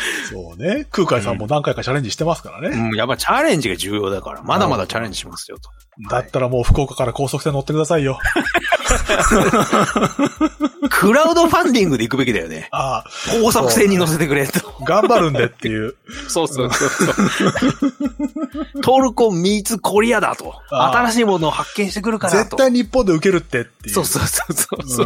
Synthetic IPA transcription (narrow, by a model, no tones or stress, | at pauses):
so̞ːne̞kɯ̟ːkaisãmːo̞nãŋkaikat͡ɕaɾe̞ɲd͡ʑiɕi̥t̪e̞masɨ̥kaɾa̰ne̞ɯ̃japːait͡ɕaɾẽ̞ɲ̟d͡ʑiɡad͡ʑɨːjo̞ːd̪aka̰ɾa̰mad̪amad̪at͡ɕaɾeɲd͡ʑiɕimasɨ̥jo̰t̪o̥ | d̪at̪ːaɾamo̞ːɸɯ̟̥ko̞ːkakaɾako̞ːsokɯ̟̥seno̞t̪ːekɯd̪asaijo̞ | kʰɯ̟ɾaɯ̟d̪o̞ɸãnd̪ʲĩŋɡɯ̟d̪e̞ikɯ̟be̞kʲid̪ajo̰nḛakoːsoɯ̟se̞ːɲ̟ino̞s̬e̞t̪ekɯ̟ɾe̞t̪o̥ɡãmbaɾɯ̟̃nd̪et̪ːejɯ̟ːsoːooso | t̪o̞ːɾɯ̟kõ̞mmʲit͡sɨkʰo̞ɾʲiad̪a̰t̪o̞̰at̪aɾaɕiːmo̞no̞ːhakːẽ̞ɰ̃ɕi̥t̪e̞k̬ɯ̟ɾɯ̟kanzaet̪oːaiɲ̟ipːõ̞nd̪e̞ɯ̟ke̞ɾɯ̟t̪ːe̞t̪ːeso̞ːsososo